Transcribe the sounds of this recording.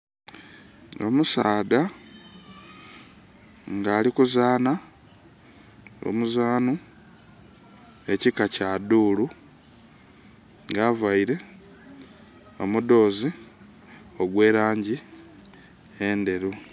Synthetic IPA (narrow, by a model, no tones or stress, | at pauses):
o̞musaːda | ŋɡaːlikuzaːna | o̰muzaːnu | e̞cikacaduːlu | ŋɡaːvaiɾe̞ | o̞mud̪o̞ːzi | o̞ɡwe̞ːɾaːɲɟi | eːnde̞ɾu